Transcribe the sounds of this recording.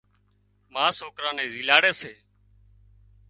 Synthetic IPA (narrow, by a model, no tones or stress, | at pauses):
mãːsoːkɾãːnẽːziːlaːɽeːseː